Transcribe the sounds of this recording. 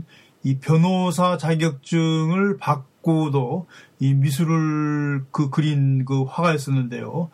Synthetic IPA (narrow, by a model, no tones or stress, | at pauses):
ipjʌnosʰat͡ɕaɡjʌk̚t͡ɕ͈ɯŋɯɭpak̚k͈odoimis̬ʰuɾɯɭkɯkɯɾinkɯɸwaɡaes͈ʌnːɯnde̞̰jo̰